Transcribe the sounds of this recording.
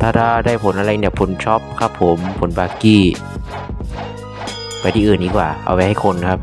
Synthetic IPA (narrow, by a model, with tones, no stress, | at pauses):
t̪ʰaː˥˩t̪ʰaː˥˩daː˥˩jpʰo˨˦nʔa˧ɾa˧ni˧˩pʰo˨˩˦nt͡ɕʰɔ˦˥p̚kʰa˦˥pʰːo˨˩˦mpʰo˨˩˦nbaː˧kiː˧˩ | pa˧jt̪ʰiː˧˨ʔɯː˨˩nːiː˦˧˩kwa̰ː˨˩ʔa̰˧wpa˧jha˥˩jkʰo˧nkʰa˦˥p̚